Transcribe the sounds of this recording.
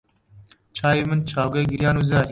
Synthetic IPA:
t͡ʃʰaːjimɨnt͡ʃʰaːwɡɐɡiɾjaːnuːzaːɾiː

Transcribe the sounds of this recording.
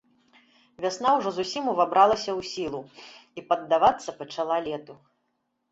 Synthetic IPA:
vʲasnawʐɔzusʲimuvabɾalˠɐsʲɐwsʲilˠuipɐd̪ːavat̪sːɐpɐt͡ʂalˠalʲɛt̪u

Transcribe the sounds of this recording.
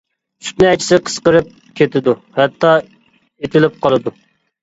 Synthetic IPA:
t͡ʃʰy̥t̪nɪɛt͡ʃʰɪ̥sɪqʰə̥sqəɾɨp̚ | kʲʰet̪ʰɪd̪uhɛt̪ːɑ | et̪ʰɪlɪp̚qʰɑlˠɨd̪u

